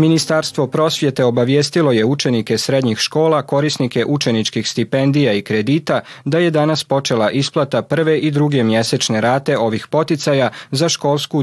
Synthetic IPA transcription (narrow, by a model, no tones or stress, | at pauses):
minist̪aɾst̪ʋo̞pɾo̞sʋje̞t̪e̞o̞baʋjeːst̪ilo̞jeut͡ʃe̞nike̞sɾe̞d̪ɲixʃko̞ːlako̞ɾisnike̞ʔut͡ʃe̞nit͡ʃkixst̪ipe̞nd̪ijaikɾe̞d̪iːt̪ad̪aje̞d̪anaspo̞t͡ʃe̞lˠaʔisplˠat̪apr̩ʋe̞ʔid̪ɾuɡe̞mje̞se̞t͡ʃne̞ɾaːt̪e̞o̞ʋixpo̞t̪it̪sajazaʃko̞lˠsku